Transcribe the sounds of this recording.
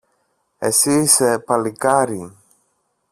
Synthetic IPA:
ḛsisepalikaɾi

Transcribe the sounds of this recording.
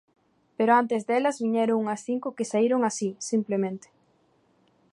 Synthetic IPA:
peɾʊant̪ezd̪ɛlɐzβiɲɛɾʊŋuŋɐsθiŋkʊkɪsaiɾʊŋasisimplemẽnt̪ɪ̥

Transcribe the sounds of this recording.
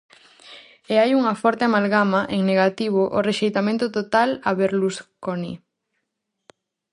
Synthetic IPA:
eajuŋɐfɔɾt̪eamalɣamɐʔeŋneɣat̪iβ̞oʔoreʃejt̪amẽnt̪ʊt̪ot̪alaβeɾluskonḭ

